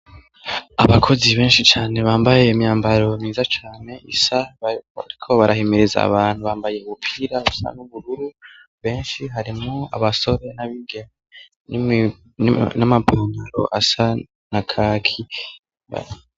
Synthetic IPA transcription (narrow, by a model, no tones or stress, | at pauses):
aβakʰo̞ziβe̞ːnʃit͡ʃaːne̞βaːmbaje̞imɲaːmbaɾo̞miːzat͡ʃaːne̞ʔḭsaa̰ɾikʰo̞βaɾahimiɾiza̰ːβaːn̥huβaːmbaje̞uβupʰiːɾaβusa̰nuβuɾuɾu | βe̞ːnʃiɦaɾimoa̰βaso̞ɾe̞naβiɡeme | n | namapʰaŋaɾo̞̰ʔasa | nakʰaːkʰi | a̰